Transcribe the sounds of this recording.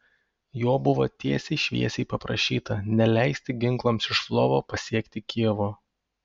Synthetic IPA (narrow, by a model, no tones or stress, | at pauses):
joːbʊʋoːt̪ʲiɛsʲɛɪʃʲʋʲḭɛsʲɛɪpɐpɾɐʃʲiːt̪ɐnʲɛlʲæˑɪsʲt̪ʲɪɡʲɪŋklˠɐmsɪʃflˠoːʋoːpɐsʲiɛkt̪ʲɪkʲiɛʋoː